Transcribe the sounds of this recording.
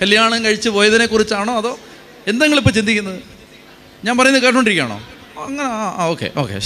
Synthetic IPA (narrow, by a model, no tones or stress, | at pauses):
kɐljaːɳɐŋkɐɻit͡ɕːɨpo̞ːjɐt̪ɐnekːurit͡ɕːaːɳo̞ːɐðo̞ː | e̞nd̪ɐŋːɐɭipːoːt͡ɕind̪ikʲːunːɐðɨ | ɲaːnpɐrɐjunːɨkeːʈ̬ːoːɳiɾikʲːa̰ːɳo̞̰ː | ɐŋːɐneaːa̰ːoːkːḛʔo̞ːkːḛ